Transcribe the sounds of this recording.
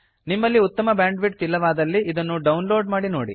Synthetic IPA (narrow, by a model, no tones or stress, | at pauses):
nimːɐlːiut̪ːɐmɐbjaːɳɖʋiʈ̚t̪ilːɐʋaːd̪ɐlːiʔid̪ɐnːuɖɐwnloːɖmaːɽinoːɽḭ